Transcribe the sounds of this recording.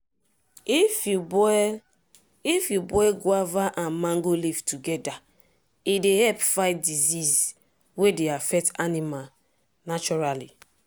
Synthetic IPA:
ifubɔ | ifjubɔɛɡwavaʔãnmãŋɡolivtuɡɛda | idehɛlpfaɪt̚diziz | wedeafɛk̚tanima | nat͡ʃɔɹali

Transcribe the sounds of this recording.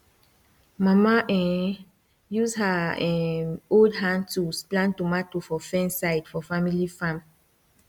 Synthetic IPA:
mamaʔɛ̃ | juzhaɛ̃oldɦãntusplãntumatufɔfɛ̃nsaɪdfɔfamilifãm

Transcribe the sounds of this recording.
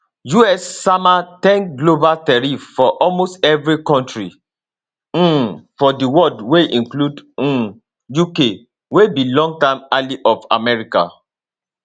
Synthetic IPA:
juɛsːamatɛ̃nkɡlobaltɛɹiffɔʔɔlmostɛvɹikɔ̃ntɹi | fɔdiwɔldweʔĩŋkludũ | juke | webilɔ̃ŋɡ̚tamaliʔɔfa̰mɛɹika̰

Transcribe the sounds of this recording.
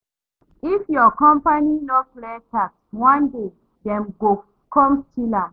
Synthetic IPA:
ifjɔkɔ̃mpaninɔpletakswãnde | dɛ̃mɡo | kɔ̃mstila

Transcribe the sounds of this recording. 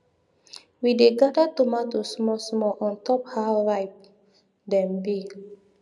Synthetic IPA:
wideɡadatumatosmɔsmɔʔɔ̃ntɔphawɹaɪp̚ | dɛ̃mbi

